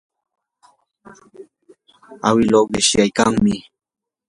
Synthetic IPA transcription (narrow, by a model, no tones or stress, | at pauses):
a̰wɪlowɢɪʃjajkaŋmɪ